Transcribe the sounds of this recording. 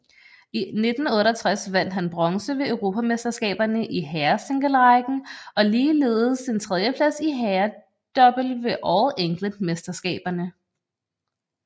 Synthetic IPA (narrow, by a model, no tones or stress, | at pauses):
ine̝d̥n̩ɔ̽ːɾɐt͡sʰʁasʋæn̰d̥ɦænb̥ʁɒ̽ŋsəʋe̝øʊʁo̝ːpʰæmesd̥ɐsɡ̥ɛ̰ːb̥ɐnəʔiɦæɐseŋɡ̥əlʁɑɪɡ̥n̩ɒ̽liːle̝ːð̩ˠsint͡sʰʁɛð̞ˠjəpʰlæsiɦæɐ | d̥ɒ̽b̥l̩ʋe̝ʔɒʊʔeŋ̰ɡ̥ləmesd̥ɐsɡ̥ɛ̰ːb̥ɐnə